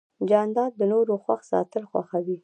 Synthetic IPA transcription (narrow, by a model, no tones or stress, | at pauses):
d͡ʒɑnd̪ɑd̪̚d̪ənoɾoxwaxsɑ̰t̪əlxwa̰xawi